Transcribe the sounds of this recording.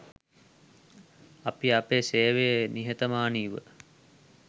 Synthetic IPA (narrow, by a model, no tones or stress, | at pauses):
apiapeːseːʋejeniɦet̪əmaːniːʋə̰